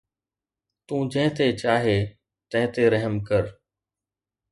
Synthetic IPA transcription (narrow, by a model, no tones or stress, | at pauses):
t̪ũːd͡ʑə̃ɦɪ̃t̪et͡ɕaːɦe | t̪ɐ̃ɦɪ̃t̪eɾəɦəmkəɾ